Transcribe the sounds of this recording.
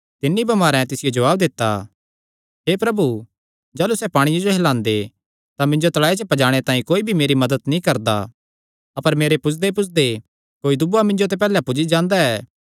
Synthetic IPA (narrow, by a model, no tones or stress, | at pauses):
t̪ɪnːibɐmaːɾɛ̃t̪ɪsɪjod͡ʒɐʋaːb̚d̪ɪt̪ːa̰ | ɦeːpɾɐbu | d͡ʒaːlusɛpaːɽ̃ijod͡ʒoɦɛlãːnd̪e | t̪amɪ̃ɲd͡ʒot̪ɐlaːet͡ʃəpɐd͡ʒaːɽ̃et̪ãːĩkoːibʱimeːɾimɐd̪ət̪nĩkɐɾd̪a̰ | ɐpəɾmeːɾepʊsʰd̪epʊsʰd̪e | koːid̪ʊbamɪ̃ɲd͡ʒot̪̬ep̬ɛːlɛpʊd͡ʒid͡ʒãːnd̪aɛː